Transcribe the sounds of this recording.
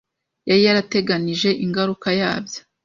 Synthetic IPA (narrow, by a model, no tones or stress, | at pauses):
jaɾijaɾate̞ɡaniʒe̞ʔiŋɡaɾukajaːbjo